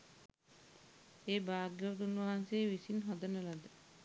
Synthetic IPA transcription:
eːbaːɡoʋt̪unːuʋaɦanseːʋisinɦɔd̪ənəlad̪ə

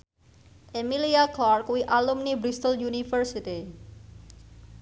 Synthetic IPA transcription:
ʔemiliaklɔrkuwiʔalumnibɾist̪əljunifərsit̪i

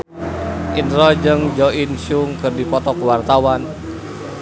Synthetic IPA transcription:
ʔinrɔd͡ʒɨŋd͡ʒɔinsuŋkɨrdipɔt̪ɔkuwart̪awan

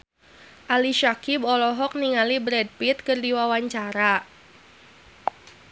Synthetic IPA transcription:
ʔaliʃakibɔlɔɦɔk̚niŋalibɾɛd̚pit̪̚kɨrdiwawaɲt͡ʃaɾa

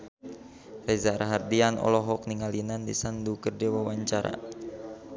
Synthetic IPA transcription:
rezaɾaɦardianɔ̰lɔɦɔk̚niŋalinandisandukərdewawaɲt͡ʃaɾa̰

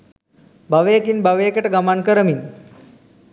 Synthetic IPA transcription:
baʋejəkinbaʋejkəʈəɡamankəɾəmin

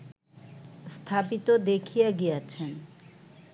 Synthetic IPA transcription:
st̪ʰapit̪od̪ekʰijeɡijat͡ɕʰen

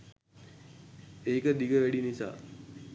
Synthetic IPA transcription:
eːkəd̪iɡəʋæɖinisa̰ː

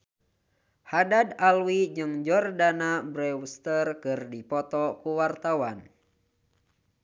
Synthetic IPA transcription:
hadadalwid͡ʒɨŋd͡ʒɔrdanabɾɛwst̪ərkɨrdipɔt̪ɔkuwart̪awan

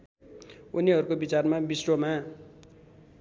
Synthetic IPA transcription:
uniɦʌɾukobit͡sarmabisroma

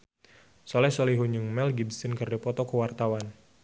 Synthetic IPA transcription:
sɔlɛsoliɦuɲuŋmɛlɡibsinkərdipɔt̪ɔkəwart̪awan

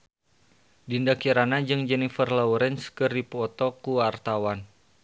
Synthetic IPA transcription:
dindakiɾanad͡ʒɨŋd͡ʒɛnifərlɔuɾɛnskɨrdipuɔt̪ɔkuart̪awan

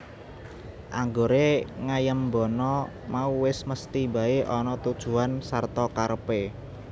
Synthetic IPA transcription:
ʔaŋɡoɾeŋajəmbɔnɔ | mauwɪsməst̪iba̤eʔɔnɔt̪ud̥ʒ̥ṳansart̪ɔkaɾpe

